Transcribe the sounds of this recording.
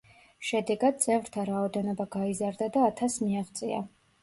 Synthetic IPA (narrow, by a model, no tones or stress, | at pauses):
ʃɛd̪ɛɡad̪̚t̪sʼɛvɾt̪ʰaɾaɔd̪ɛnɔbaɡaizaɾd̪ad̪aːt̪ʰasmiaʁt̪sʼia̰